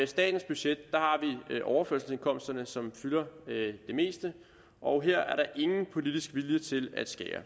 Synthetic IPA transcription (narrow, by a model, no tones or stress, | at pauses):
sd̥ɛ̰ːd̥n̩sb̥yɕed̥ːɑ̈hɑ̈ʋiʔɒʊɐføɐ̰sl̩se̝nkʰɒ̽m̰sd̥ɐnəsɒ̽mfylɐd̥e̝me̝̰ːsd̥ə | ʔɒ̽ʊɦeɐ̰æɐɾɑ̈ʔe̝ŋn̩pʰo̝lid̥isɡ̥ʋiljət͡sʰe̝læd̥sɡ̥ɛːɐ̰